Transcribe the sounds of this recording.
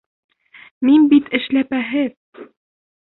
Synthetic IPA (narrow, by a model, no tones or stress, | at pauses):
minbit̪ɘ̆ʃlæpæɦɘð